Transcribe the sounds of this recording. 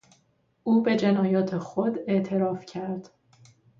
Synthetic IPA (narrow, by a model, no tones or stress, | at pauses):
ʔuːbe̞d͡ʒe̞nɒːjɒːt̪ʰexod̪e̞ʔt̪ʰe̞ɾɒːfcʰæɾd̪̥